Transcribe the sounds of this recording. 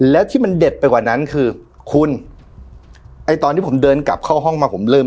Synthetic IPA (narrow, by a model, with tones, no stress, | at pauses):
lɛː˦˥wt̪ʰiː˥˩ma˧nde˨˩t̪̚pːa˧jkwaː˨˩na˦˥nkʰɯː˧ | kʰu˧n | ʔa˧˩jt̪ɔː˧nʰːiː˥˩o˩˦mdɤː˧nka̰˨˩p̚kʰɔː˥˩ɦɔ˥˩ŋmaː˧pʰo˩˦mlɤː˥˩m